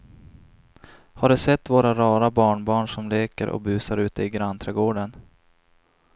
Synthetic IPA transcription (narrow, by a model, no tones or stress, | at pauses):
haɖɵsɛt̪ːvoːɾaɾɑːɾabɑːɳbɑːɳʂɔmleːkəɾʔɔ̰k̚bʉ̟ːsaɾʉ̟ːt̪əɪɡɾant̪ʰɾɛɡoːɖən